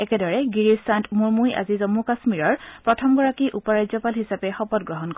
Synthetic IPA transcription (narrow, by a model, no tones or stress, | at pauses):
ɛkɛdɔɹɛɡiɹistantmuɹmuja̰zizɔmukasmiɹɔɹpɹɔtʰɔmɡɔɹakiʔupɔɹajzɔpalɦisapɛxɔpɔt̚ɡɹɔɦɔnkɔ